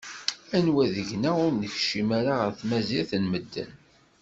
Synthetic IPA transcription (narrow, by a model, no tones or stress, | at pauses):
ænwæðəʝnæʊɾnəçʃimaɾaʁəθmæziθənməd̪ːə̰n